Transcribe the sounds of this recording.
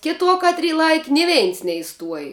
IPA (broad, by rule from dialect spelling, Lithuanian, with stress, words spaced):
ˈkʲɪˌtuɔ ˈkɑːtʲˌrʲiː ˈlˠɐɪkʲɪ nʲɪ ˈʋʲɛɪns nʲɛɪˈstuɔj